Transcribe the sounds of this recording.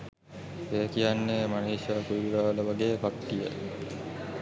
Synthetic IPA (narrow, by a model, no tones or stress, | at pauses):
ekijanːeːmaneiʃaːkuɾibiɾaːləʋaɡeːkakːijə̰